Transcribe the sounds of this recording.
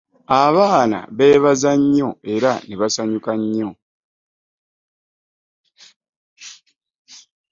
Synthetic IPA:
aβaːna̰βe̞ːβazaɲːoe̞ɾaneβasaɲukaɲːo

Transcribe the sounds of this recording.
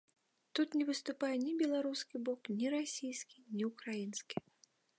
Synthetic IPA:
t̪ut̪nʲɛvɨst̪upajɛnʲibʲɛlˠaɾuskʲibɔknʲiɾasʲijskʲinʲiukɾajinskʲi

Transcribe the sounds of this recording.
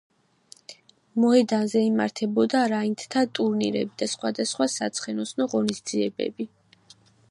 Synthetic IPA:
mɔɦɛd̪anzɛima̰ɾt̪ʰɛbɔd̪aɾaint̪ʰt̪ʰat̪ʼuɾnḭɾɛ̰bid̪̥asχwad̪asχwasat̪sʰχɛnɔsnɔʁɔnisd̪ziɛbɛ̰bi

